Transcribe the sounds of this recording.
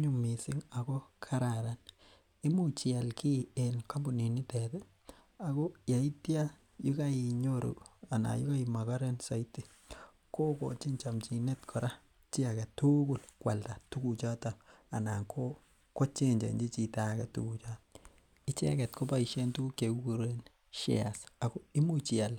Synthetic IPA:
ɲu˨mi˨sɪ˦ŋa˨kɔ˦kʰa˦ɾa˨ɾa˨n | i˦mu˦t͡ʃi˨a˨lki˦e˨nka˦mbu˨ni˨ni˦tɛtɛ˦ | a˨kɔ˦ja˨i˦tja˦ | ji˦ka˦i˨ɲo˦ɾṵ˨a˨na̰˨ju˦ka˦i˨ma˨ka˦ɾe˦nsa˨i˦ti˦˨ | ko˦kɔ̰˨t͡ʃi˦ɲt͡ʃa˨mt͡ʃi˨ne˦tkʰɔ˨ɾa˦ | t͡ʃɪ˦a˨kɛ˨tu˦ku˦lkwa̰˨lta˨tu˦ku˨t͡ʃa˦ta˨a˨na˨ŋkʰo˦ | ko˦t͡ʃe˦ɲd͡ʒḛ˨ɲd͡ʒi˦t͡ʃi˨ta˦kɛ˨tṵ˦ku˨t͡ʃa˦t | i˦t͡ʃe˦a̰˦kɛ˨tko˦pa˦i˨ʃe˦ntu˦ku˦ke˨ku˦ku˨ɾe˦n | ʃḛ˨a˨sa˨kɔ˦i˦mu˦t͡ʃɪ˨a˨l

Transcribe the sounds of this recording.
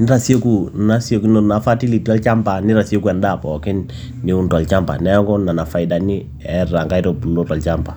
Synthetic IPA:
nɪ˦ɾa˨sje˦ku˨na˦sje˦kn˨na˨fa˦ti˦li˨ti˦a˦lt͡ʃa˦mba˨nɪ˦ɾa˨si˦o˦ku˦ɛ˨nda˦˨pɔ˨kɪ˦nː | i˦u˦nta˨lt͡ʃa˦mba̰˨nɛ˦kɔ˦na˨na˨fa˨ida˨ni˦ | ɛ˨ra˨ŋka˦i˦tɔ˨pu˨lo˦ta˨lt͡ʃa˦mba˨

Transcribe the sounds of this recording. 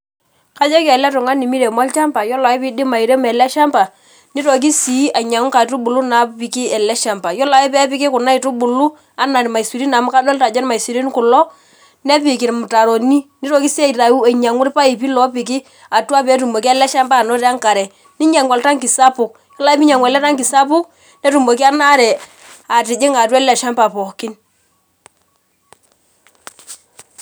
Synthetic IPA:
ka˦d͡ʒɔ˦ka˨lɛ˦tʊ˨ŋa˦ni˨mi˦ɾe˨mɔ˦lt͡ʃa˦mpa˨jɔ˦la˨ɪ˦pɪ˦dɪ˦ma˨i˨ɾe˦mɛ˨lɛ˦ʃa˦mpa˨ | ni˦to˨k̬i˦si˨˦a˨ɲa˨ŋʊ˦ka˨tu˦bu˨lu˦na˨˦pi˨ki˦ɛ˨lɛ˦ʃa˨mpa˨jɔ˦la˨˦ɪ˦pɛ˦pɪ˦kɪ˦kʊ˨na˦ɪ˨tʊ˦bʊ˨lu˦ | a˦na˨ɾma˨i˨su˨ɾi˦na˨mʊ˦ka˦dɔ˦lta˨d͡ʒɔ˦n˦ma˨i˨si˨ɾi˦nkʊ˨lɔ˦ | nɛ˦pɪ˨kɪ˨ɾmʊ˨ta˨ɾo˨ni˦nɪ˦ɾɔ˦kɪ˦se˦i˨ɾa˨u˦e˨ɲa˨ŋwʊ˦ɾpa˦i˨pi˦lɔ˨˦pɪ˨kɪ˦ | a˨tu˦a˦pɛ˨˦tu˨mo˨ki˦a˦lɛ˦ʃa˦mpa˦˨nɔ˦ɾɛ˦a˦ŋka˨ɾɛ˨ | nɪ˦ɲa˨ŋwa˨lta˦ŋkɪ˨sa˦pʊ˨k | jɔ˦la˦i˦pi˦ɲa˨ŋwɛ˨lɛ˦ta˦ŋkɪ˨sa˦pʊ˦k | nɛ˦tu˨mo˨ki˦a˦na˦ɾɛ˨ | a˨tɪ˨d͡ʒɪ˦ŋa˨tɛ˦la˨ʃa˦mpa˨pɔ˨kɪ˦n

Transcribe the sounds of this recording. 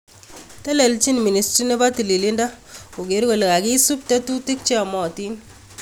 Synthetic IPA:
tɛ˦lɛ˨lt͡ʃi˦nmi˨ni˨stɾi˦ne˦ba˦ti˨li˨li˦nda˦ | o˨ɡe˨ɾko˨la˨ɡɪ˦su˦p̚tɛ˦tu˦ti˦k̚t͡ʃe˦a˨mɔ˨ti˦n

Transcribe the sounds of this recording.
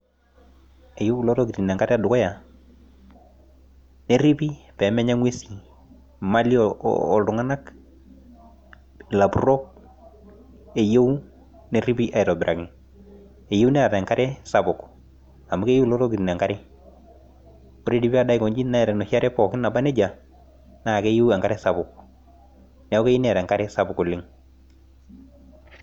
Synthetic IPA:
e˨jo˦wlɔ˦tɔ˦ɡi˨ɾi˨na˨ŋka˦ɾɛ˦a˨dʊ˨kɔ˦ja˨ | ne˦ɾi˦pi˦pɛ˨˦mɛ˦ɲa˦ŋwe˦si˨ | ma˦lḭː˦˨ldʊ˨ŋa˦na˦k | la˨bu˨ɾɔ˦k̚ | e˨je˦u˦ | ne˦ɾi˦bi˦ʔa˨ɪ˨ɾɔ˨bɪ˨ɾa˨ɡɪ˨n | e˨je˦u˦nɛ˦a˨tɛ˨ŋka˦ɾɛ˦sa˨bʊ˨k | a˨mu˦ke˦je˦lɔ˦ɾɔ˦ɡi˨tn˨a˨ŋka˦ɾɪ˦ | o˦ɾe˦di˦bi˦a˦da˦˨kɔ˨ɲd͡ʒi˦na˦ɛ˨ɾɛ˨no˨sja˦ɾɛ˦pɔ˨kɪ˦na˨ba˦nɛ˦d͡ʒa˨ | na˦˨ke˦je˦wa˨ŋka˦ɾɛ˦sabʊ˨k | nɛ˨˦o˦ke˦ji˦nɛ˦a˨ɾɛ˨ŋka˦ɾɛ˦sa˦bʊ˨kʊ˨lɪ˦ŋ

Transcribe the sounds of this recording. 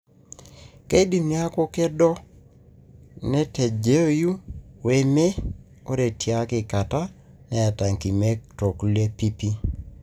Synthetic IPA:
ke˦di˨mi˦a˦ko˦kɛ˦dɔ˦ | nɛ˦te˨d͡ʒe˦o˦˨ju˦we˦me˦ | o˦ɾe˨tja˦kɪ˨ka˨ta˦ | nɛ˨a˨ta˨ŋki˨me˦kto˨kle˦pi˦pi˦

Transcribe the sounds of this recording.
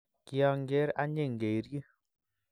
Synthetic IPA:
ki˦ɔ˧ŋɡe˦ɾa˦ɲe˦˨ŋɡe˨ɾji˦

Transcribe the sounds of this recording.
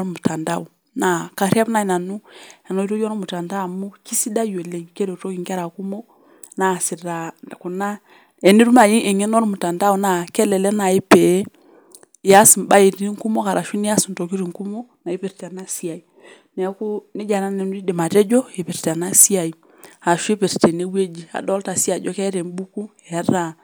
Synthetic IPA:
o˦ɾmu˨ta˨nda˦˨u˨ | na˨ka˨ɾi˦a˦pna˦˨na˨nu˦e˨no˦i˦to˦d͡ʒo˦no˦mu˨ta˨nda˦˨mu˦ki˦si˦da˦jo˨le˦˨ŋke˦do˨to˦ki˨ŋke˦ɾa˨ku˦mo˦ | na˨si˨da˨ku˨na˦ | e˨ni˦ɾu˦ma˨ji˦ʔe˨ŋe˦no˦ɾmu˨ta˨nda˦u˨na˦˨ke˦le˨le˦na˨i˦pe˨˦˨ | ja˦si˨mba˦e˨ɾi˦i˦ŋku˦mo˦ka˨ɾʔa˨ʃu˦ni˦a˦si˨n˨to˨ki˦ɾi˨ŋku˦mo˦na˨i˦pe˨ɾta˨na˦si˦a˨i˨ | ne˨˦ku˦ni˦d͡ʒa˨na˦ne˨n˦ɾi˦di˨ma˨tɛ˦d͡ʒo˦e˨pe˨ɾta˨na˦si˦a˨i˨ | a˨ʃu˦e˦pe˨ɾte˨ne˦we˦d͡ʒi˨a̰˨dɔ˦lta˨si˦a˨d͡ʒo˦kɛ˦ɾe˨m˦bu˦ku˦ɛ˨a˦ɾa˨

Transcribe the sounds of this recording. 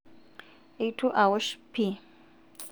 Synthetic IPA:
etʰu˦ʔa˨wɔʃpʰi˨

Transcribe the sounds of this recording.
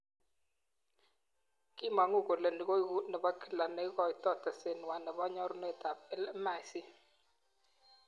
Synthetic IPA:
kɪ˦ma˨ŋo˦˨ko˨le˨ndɡo˦i˦ɡu˦nɛ˨ba˦ki˦˨la˨nɛ˦ɣɔ˦jtɔ˦tɛ˨se˨n˨wa˨nɛ˨ba˦ɲɔ˦ɾne˦˨ta˨pɛ˦lɛ˦ma˨sɪ˦

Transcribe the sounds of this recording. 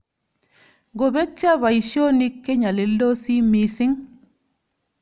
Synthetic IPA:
ɡo˨be˦t͡ʃːa˦βa˨i˨ʃjo˦ni˦kːe˦ɲa˨le˨lːo˦si˦mi˦sɪ˦ŋ

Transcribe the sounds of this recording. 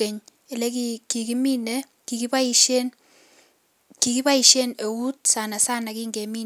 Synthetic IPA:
e˨ɲ | e˨le˦kiki˨ki˦mi˦ne˦ | ki˨ki˦pa˦iʃe˦n | ki˨ki˦pa˦i˨ʃe˦ne˨wu˦t̚sa˨na˨sa˦na˨ki˦ŋɡe˨mi˦

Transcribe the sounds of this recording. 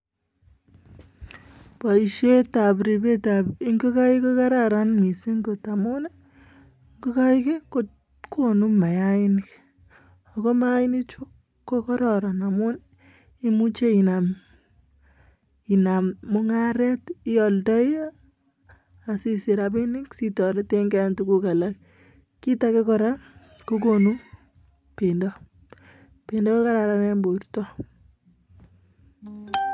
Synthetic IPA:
pa˨i˨ʃe˦ta˨bɾi˨be˦ta˨pi˦ŋɡo˦ka˦i˦ko˦ka˦ɾaɾa˦nmi˨si˦ŋɡo˨ta˨mu˦ne | ŋɡu˦ka˦ike˦ko | kʰo˦nu˦mma˨jai˦nk | a˨ko˦maɪ˦ni˦t͡ʃo˦ | kːo˦kɔ˦ɾɔ˨ɾa˨na˨mu˦ne | i˦mu˦t͡ʃe˦i˨na˨m | i˨na˨mːo˦ŋaɾɛ˦tɪ˦jɔ˨ltɔ˦j | a˨si˨si˨ɾa˨pi˦ni˦ksitɔ˨ɾe˦te˦ŋɡɛ˦ntuku˦ka˨la˨k̚ː | i˦ta˦ke˦kɔ˦ɾa˦ | ko˦k̬o˨nu˦m | pe˨ndɔ˦ | pe˨ndɔ˦ko˦ka˦ɾa˨ɾa˦nɛ˦mbo˨ɾtɔ˦

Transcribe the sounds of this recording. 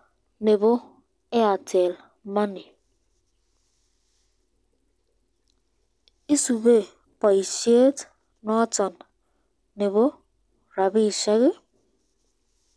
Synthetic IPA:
ne˨bo˦ | e˦a˨tʰe˨l | ma˦ni˨ | i˦su˨be˦˨ | pa˨i˨ʃi˦e˦t | nɔ˦tɔ˨nː | e˨bo˦ | ɾa˨bi˦˨ʃa˦ɣɪ˦

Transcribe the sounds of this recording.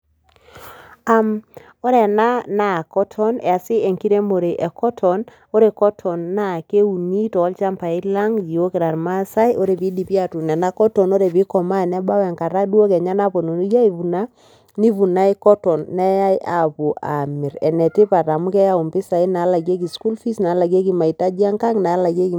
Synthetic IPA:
a˨m | o˦ɾɛ˨na˦na˨kɔ˦tʰɔ˦nɛ˨a˨sɪ˦e˨ŋki˦ɾe˦mo˨ɾe˨ʔɛ˨kɔ˦tʰɔ˨n | o˦ɾe˨kɔ˦tʰɔ˨nːa˦˨ke˦u˨ni˦tɔ˨˦lt͡ʃa˦mpa˨i˦la˦ŋji˨o˦ke˨ɾa˨ɾma˦sa˦jʔo˦ɾe˨pi˦di˨pi˦a˦tu˨nɛ˨na˦kɔ˦tɔ˨no˦ɾe˨pi˦kɔ˨ma˦˨nɛ˦ɓa˦wɛ˨ŋka˨ɾa˦dwo˦kɛ˨ɲa˦na˦po˨no˨ni˦ja˦i˨vu˨na˦ | ni˦vu˨na˦e˦kɔ˦tɔ˨nːɛ˦ja˦jʔa˨pu˨ʔa˨mi˨ɾɛ˨nɛ˨ti˦pa˨ta˨mu˦kɛ˦ja˦˨u˨mpi˦sa˨i˦na˨˦la˨ɡe˦k̬i˨sku˦lfi˦sna˨˦la˨ɡe˦k̬i˨ma˨i˨ta˦d͡ʒa˦ŋka˦ŋna˨˦la˨ɡe˦ki˨

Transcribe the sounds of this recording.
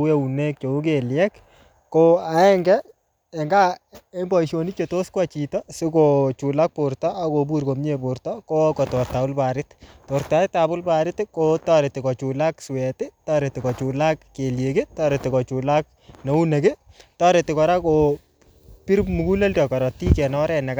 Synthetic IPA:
u˦e˦u˨ne˦k̚t͡ʃo˨u˦k̬eljɛk | koa˨ɛ˦ŋɡɛ | ɛ˨ŋɡa˦e˦mbɔ˨iʃo˨ni˦t͡ʃeto˦skwat͡ʃitɔsɪ˦kot͡ʃu˨lak̚pʊɾtɔa˨ko˨bu˦ɾko˨mɲe˦pʊɾtɔkoko˨tɔ˨rta˨ʊ˦lpaɾɪttoɾtaɪtabʊ˦lpaɾɪtkotɔ˦ɾe˨tɪ˨kɔ˨t͡ʃu˨lakswɛtɪtɔ˦ɾe˨tɪ˨kɔ˨t͡ʃulakːe˨lje˨kɪ˦tɔ˦ɾetɪ˨ko˨t͡ʃu˨lak̚ | no˨u˦ne˨kɪtɔ˦ɾe˨tːɪkɔ˨ɾako | pi˦ɾmu˨ku˦le˦ltɔkɔ˨ɾɔ˨ti˦kɛ˨nɔ˦ɾɛnɛ˨k

